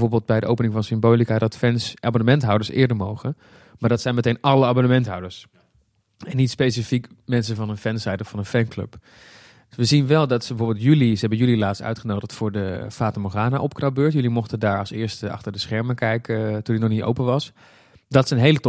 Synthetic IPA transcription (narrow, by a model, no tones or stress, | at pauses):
voːɹbɪːlˠd̚bɛjdəʔowpənɪŋfɑnsɪmboːlikadɑtfɛnsʔaːbonəmɛntɦɔwdəɹsɪ̰ːɹdəɹmowχən | maːɹdɑtsɛjnmətejnɑləaːbonəmɛntɦɑ̰wdəɹs | ɛnːitspejsəfikmɛnsəvɑnənfɛnsɛjdəɹfɑnənfɛnklɵ̰p | ʋəzinʋɛlˠdɑtsəbəvoːɹbɪlˠtjylisəɦɛbənjylilaːtstœ̰ɥtχənowdəχtfʊːɹdəfaːtəmoχaːnaʔɔpkrɑbøːɹtjʏlimɔχtədaːɹɑlˠsɪːɹstɑ̰χtəɹdəsχɛɹməkɛjkətundinɔχnito̰wpəʋɑs | dɑtsənɦejlət